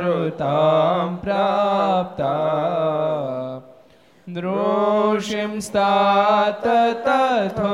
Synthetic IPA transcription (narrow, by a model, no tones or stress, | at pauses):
ɾut̪aːmpɾap̚t̪a | d̪ɾoʂimst̪aːt̪ɐt̪ɐt̪ɐ